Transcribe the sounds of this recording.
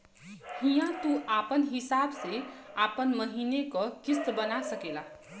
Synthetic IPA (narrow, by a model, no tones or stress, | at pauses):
hijãt̪uʔaːpənɦɪsaːbseaːpənməɦinekokɪst̪bənasəkela